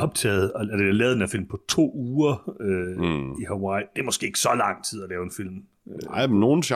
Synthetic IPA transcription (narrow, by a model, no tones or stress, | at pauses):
ɒ̽b̥̚t͡sʰɛ̰ːð̩ˠɒæd̥eælɛːðˠdenæɐfil̰mpʰɒ̽t͡sʰo̝̰ːuːɐøihæwɑ̈ɪd̥e̝æɐmɒ̽sɡ̥e̝ːeɡ̥sɒ̽lɑ̈ŋ̰t͡sʰið̞̰ˠælɛːʊenfil̰m | ɑɪmno̝ːn̩s